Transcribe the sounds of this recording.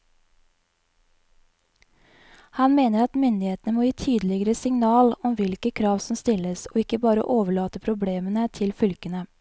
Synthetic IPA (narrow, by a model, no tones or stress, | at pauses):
hɑnmeːnəɾɑt̪mʏnd̪ɪheːt̪nəmoːjiːt̪ʰyːd̪l̩ɪɡəɾəsɪŋnɑːlɔmʋɪlkəkʰɾɑːʋsɔmst̪ɪləso̰ːɪkəbɑːɾə̰ʔoːʋəɭɑːt̪əpʰɾʊbleːmənət̪ʰɪlfʏlkənə